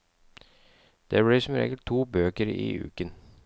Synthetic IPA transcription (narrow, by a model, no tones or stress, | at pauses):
d̪̥eːbɛːsɔmɾḛːɡəlt̪ʰːuːbøːkəɾḭːʉ̰ːkən